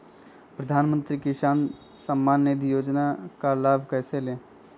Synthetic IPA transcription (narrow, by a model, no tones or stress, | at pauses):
pɾəd̪ʱaːnmə̃nt̪ɾikɪʃaːn | səmːaːnːeːd̪ʱijoːd͡ʒnakalaːbʱkɛːseleː